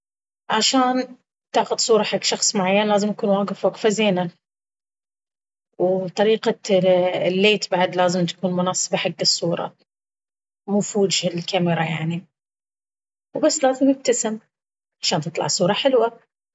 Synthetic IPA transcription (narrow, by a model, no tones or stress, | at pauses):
ʕaʃaːn | t̪ɪʕxʊd̪sˤuːɾˤɑħaɡʃɑxsˤmʊʕajːanlaːzɪmj̪akuːnwaːɡɪfwokfazeːna | wt̪ˤɑɾiːqa | lːeːt̪baʕd̪laːzɪmt̪ḁkuːnmʊnɑːsˤɨbaħaɡːɨsˤːuːɾˤɑ̰ | mʊfuːd̪ʒɪllkamɪɾˤɑja̰ʕni | wbasːlaːzɪmɪb̚t̪asɪm | ʕaʃaːnt̪ɨt̪ˤlɑ̰ʕsˤuːɾˤɑħɪlwa